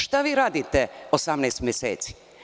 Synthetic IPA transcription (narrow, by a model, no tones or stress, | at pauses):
ʃt̪aʋiːɾaːd̪it̪eosamnɛːst̪mjesḛːt̪si̥